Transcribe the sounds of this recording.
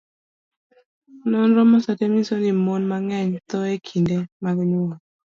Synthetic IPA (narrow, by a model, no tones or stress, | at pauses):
nɔnɾɔmɔsatemisonɪmonmaŋɛɲt̪ɔekʰindemaɡɲʊɔ